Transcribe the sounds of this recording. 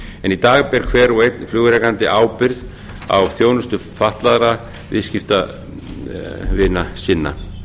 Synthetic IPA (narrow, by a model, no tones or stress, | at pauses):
ɛnit̪aːɣpɛɾ̥kʰvɛːɾuejt̪nflʏːɣʏɾɛkant̪ɪʔaːwpɪɾð | a̰wθjownʏst̪ʏfaht̪laðɾa | vɪ̰ðscɪft̪a | vɪːnasɪnːa̰